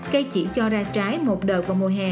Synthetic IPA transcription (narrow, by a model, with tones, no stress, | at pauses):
kə˧jt͡ɕḭ˧˩t͡ɕɔ˧zaː˧t͡ɕaː˨˦jmo˨˩t̚ɗəː˨˩kvaː˨˩wmu˨˩əjɦaː˨˩